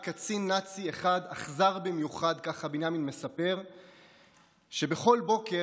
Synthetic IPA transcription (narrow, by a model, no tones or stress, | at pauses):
kat͡sinːat͡sieχad̪aχzaʁbimjuχad̪kaχabinaminme̞sape̞ʁ | ʃe̞be̞χo̞lbo̞ke